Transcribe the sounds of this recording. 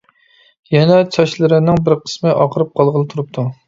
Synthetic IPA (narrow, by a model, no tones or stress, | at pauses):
jɛnɛt͡ʃʰɑʃlˠɨɾɨnɪŋbɪɾqʰə̥smɨʔɑqəɾɨp̚qʰɑlˠʁəlˠɨt̪ʰuɾup̚t̪ʰu